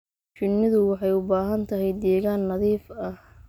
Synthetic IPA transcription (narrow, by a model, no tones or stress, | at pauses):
t͡ʃɪnːɪðʊwɑħɑjʊbaːɦɐnt̪ʰɐɦɛjd̪ɛːɣaːnːɐðiːfɐh